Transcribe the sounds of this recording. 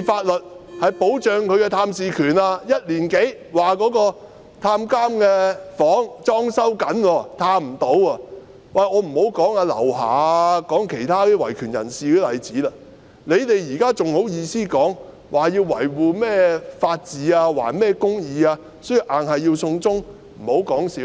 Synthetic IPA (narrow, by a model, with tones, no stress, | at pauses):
faː˧t̚lɵ˨t̚hɐ˨jpo˨˥wt͡ʃœː˨ŋkʰɵ˨˧ɥkɛː˧t̪ʰaː˧msiː˨kʰyː˨˩naː˧jɐ˥t̚liː˨˩nke˨˥j | waː˨kɔː˨˥kɔː˧ | t̪ʰaː˧mkaː˥mkɛː˧fɔː˨˥ŋt͡sɔː˥ŋsɐ˥wkɐ˨˥nwɔː˧t̪ʰaː˧m̩˨˩t̪o˨˥waː˧ | wɐ˨jŋɔː˨˧m̩˨˩ho˨˥wkɔː˨˥ŋaː˧lɐ̰˨˩wha̰ː˨˧kɔː˨˥ŋkʰe˨˩jt̪ʰaː˥i˥wɐ˨˩jkʰyː˨˩njɐ̰˨˩nsiː˨kɛ˧lɐ˨˩jt͡siː˨˥lɐ˧ | le˨˧jt̪e˨jjiː˨˩kaː˥t͡sʊ˨ŋho˨˥wjiː˧siː˥kɔː˨˥ŋ | waː˨˩jiː˧wːɐ̰˨˩jwuː˨mɛː˥faː˧t̚t͡siː˨˥aː˧wa̰ː˨˩nmɛː˥kʊ˥ŋjiː˨˧aː˧ | so˥ji˧wʔaː˨nhɐ˨jiː˧wsʊ˧ŋt͡sʊ˥ŋ | m̩˨˩ho˨˥wkɔː˨˥ŋsiː˨˥w